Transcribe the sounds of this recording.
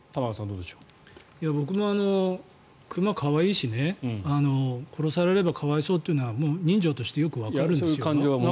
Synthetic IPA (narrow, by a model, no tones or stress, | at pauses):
t̪amakosãnd̪oːd̪eɕo̥ | jabo̞k̬ɯ̟mo̞ano̞ | kʰɯ̟makʰaβaiːɕine̞ano̞kʰo̞ɾo̞saɾe̞ɾe̞bakʰaβaiso̞ːt̪ːeiɯ̟noβamoːɲ̟ĩɲ̟d͡ʑo̞ːt̪o̞ɕi̥t̪e̞jo̞kɯ̟βakkaɾɯ̟̃nːsjoãɲd͡ʒoβa